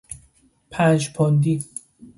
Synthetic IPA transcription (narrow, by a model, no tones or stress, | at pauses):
pʰænd͡ʒpʰond̪i